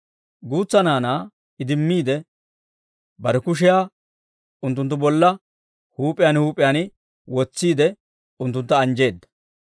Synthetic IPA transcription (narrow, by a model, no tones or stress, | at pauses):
ɡuːt͡sːɐnaːnaː | ɪd̪ɪmːiːd̪ɛ | bɐɾɛkʊʃ̬ɪjaː | ʊnt̪ːʊnt̪̬ːʊbɔlːɐ | huːpʼɪjaːnhuːpʼːɪjaːnɪ | wɔt͡sːiːd̪ɛ | ʊnt̪ːʊnt̪ːɐːnd͡ʒe̞ːd̪ːɐ̥